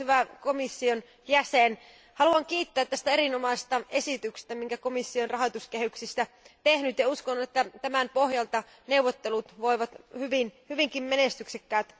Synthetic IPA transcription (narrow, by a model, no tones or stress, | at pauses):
yʋækomisːion | jæsen | hɑluɑŋkiːt̪ːøæːt̪tːæst̪æeɾinomɑisest̪ɑesit̪ykse̥st̪æmiŋkækomisːionrɑɦot̪uskehyksist̪æ | t̪ehnyt̪jɑuskonːut̪et̪ːæt̪æmæmpohjɑlt̪ɑ | neuwʋot̪ːelut̪ʋoiʋɑt̪hyʋinhyʋiŋkimmenest̪yksekːæːt̪